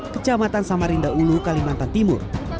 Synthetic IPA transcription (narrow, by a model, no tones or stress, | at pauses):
kət͡ʃamat̪ansamaɾindaulukalimant̪ant̪imʊ̰r